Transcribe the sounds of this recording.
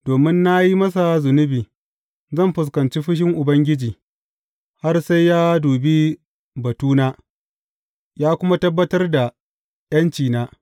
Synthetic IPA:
doː˨mɪ˦nːa˦ji˦mɐ˦s̬a˨zʊ˨nʊ˦biː˨ | zɐ˦˨mɸʊ˨s̬kɐ˨nt͡ʃiː˦ɸɪ˦ʃ̬ɪ˦ŋʔʊ˨bɐ˦ŋɡʲɪ˦d͡ʒiː˨ | ha˦rsa˦jːaː˦duː˨bi˦ | bɐ˨tuː˦naː˦ | jaː˦kʷʊ˦ma˦tɐ˦bːɐ˦tɐ˦rda˨ | j̰ɐ˦nt͡ʃiː˨naː˦

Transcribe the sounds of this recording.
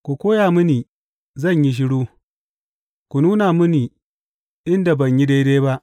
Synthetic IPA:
kʷu˨kʷoː˦jaː˨mʊ˦niː˨ | zɐ˦˨ɲji˦ʃ̬ɪ˦ɽuː˦ | kʷu˨nuː˦na˨mʊ˦niː˨ | ʔɪ˦nda˨bɐ˨ɲji˦de˦jdeː˦ba˦ʔ

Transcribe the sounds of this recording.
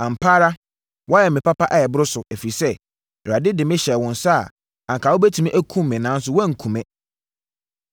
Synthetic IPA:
ã˨m̩˨pʰaː˦ɾa˦ | wʔɔ˦jɛ˨mɪ̃˨pa˦pa˦ʔɛ˨jɛ˨bʊ˦ɾʊ˦sʊ˨æ˨fi˨sɛ˦˨ | a˨dɪ˦dɪ˨mɪ̃˦ɕɛ˨wɔ̃˨nsa˦˨ | ã˨ŋkʰa˨wo˦bæ˦tʰĩ˨mĩ˦ʔæ˦kʰũ˦mː˨ɪ̃˨nã˦n˦s̬ʊ˦wɛ̃˦˨ŋ̩˨kʰũ˨mɛ̃˦

